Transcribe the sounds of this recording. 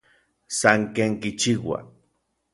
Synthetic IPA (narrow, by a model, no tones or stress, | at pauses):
saŋkeːŋkit͡ʃiwa̰